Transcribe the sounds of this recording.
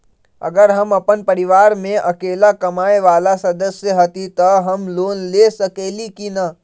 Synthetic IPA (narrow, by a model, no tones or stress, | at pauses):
ɐ̰ɡəɾɦəmɐpənpəɾɪʋaːɾmẽʔɐkeːlakɐmaːeʋaːlasɐd̪əsjəɦət̪it̪əɦɐmloːnlesəkeːlikinə